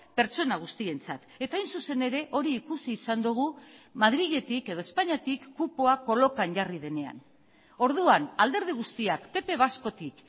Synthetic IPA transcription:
pe̞ɾt͡so̞naɣ̞ust̪ie̞nt͡sat̪e̞t̪aːjnsuse̞ne̞ɾe̞ʔo̞ɾiːkusiːsand̪uɣ̞umaðɾiɣe̞t̪ike̞ðo̞e̞spaɲat̪ikːupoako̞lo̞kanʝarið̞e̞ne̞a̰n | o̞ɾðuanald̪e̞ɾð̞iɣ̞ust̪iakpe̞pe̞β̞asko̞t̪ik

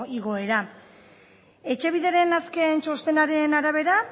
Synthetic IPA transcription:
iɣo̞e̞ɾa | e̞t͡ʃe̞β̞iðe̞ɾe̞naske̞nt͡ʃo̞st̪e̞naɾe̞naɾaβ̞e̞ɾa

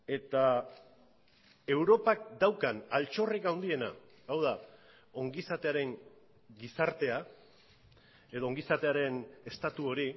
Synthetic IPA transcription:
e̞t̪a | e̞wɾo̞pak̚d̪awkanalt͡ʃo̞rikawnd̪ie̞na̰ː | wða | o̞ŋɡisat̪e̞aɾe̞ŋ | ɡisaɾt̪e̞a | e̞ðoːŋɡisat̪e̞aɾe̞ne̞st̪at̪uo̞ɾi

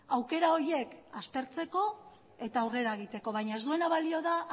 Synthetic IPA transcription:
awke̞ɾao̞ɾie̞kast̪e̞ɾt͡se̞ko̞ | e̞t̪aːwre̞ɾae̞ɣ̞it̪e̞ko̞βajɲae̞zd̪ue̞naβalio̞ða

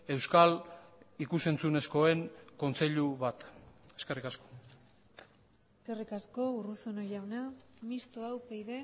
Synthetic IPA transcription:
e̞wskalikuse̞nt͡sune̞sko̞e̞ŋko̞nt͡se̞ʎuβat̪e̞ske̞rikasko̞̥ | eske̞rikasko̞urusonojawnamist̪oawpejðe̞

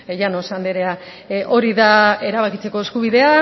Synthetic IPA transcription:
ʝano̞sand̪eɾea | ʔo̞ɾiðae̞ɾaβakit͡se̞ko̞eskuβiðe̞a

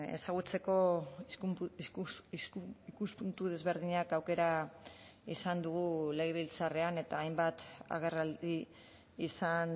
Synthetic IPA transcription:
e̞̰saɣ̞ut͡se̞ko̞ | ikuspunt̪uð̞e̞zβe̞ɾð̞iɲakawke̞ɾa | isand̪uɣule̞ɣeβilt͡sare̞ane̞t̪aːjmbat̪a̰ɣ̞e̞raldi | isan

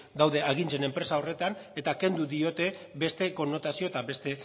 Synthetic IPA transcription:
d̪awðe̞aɣ̞int͡se̞ne̞mpɾe̞sao̞re̞t̪ane̞t̪ake̞nd̪uðio̞t̪e̞be̞st̪e̞ko̞nːo̞t̪asioet̪aβe̞st̪e̞

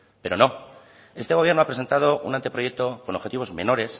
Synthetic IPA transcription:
pe̞ɾo̞no̞ | e̞st̪eɣo̞βje̞ɾno̞apɾese̞nt̪að̞o̞ʔṵnant̪epɾoje̞k̚t̪o̞kono̞xe̞t̪iβo̞zme̞̰no̞ɾe̞s

